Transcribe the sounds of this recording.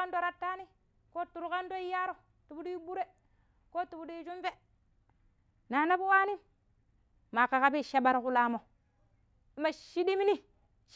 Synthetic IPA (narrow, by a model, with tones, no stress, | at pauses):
a˦ndo˦ɾa˦tːa˦ni˦ | ko˦tu˨ɾu˦ka˦ndo˦i˦ja˦ɾo˨ | tu˨bu˦di˦i˦bu˦ɾe˦ | ko˦tu˨bu˦du˦d͡ʒu˦mfe˦ | na˨na˦bu˦wa˦ni˦ | ma˨ka˨ka˦bi˦˨ʃa˦ba˦ɾku˦la˦mo˨ | i˦ma˨ʃi˦di˦mi˦ni˦ | ʃ